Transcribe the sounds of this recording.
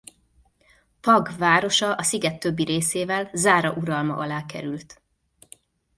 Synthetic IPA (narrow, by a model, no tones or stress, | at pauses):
pɒɡvaːɾo̞ʃɒʔɒsiɡɛt̪ːø̞bːiɾeːseːvɛlzaːɾɒʔuɾɒlmɒ̰ʔɒlaːkɛ̰ɾylt̪